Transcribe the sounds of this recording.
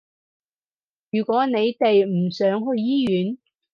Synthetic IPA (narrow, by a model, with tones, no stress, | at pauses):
jyː˨˩kʷɔː˨˥ne˨˧jt̪e˨jm̩˨˩sœː˨˥ŋɦɵ˧ɥjiː˥jyː˨˥n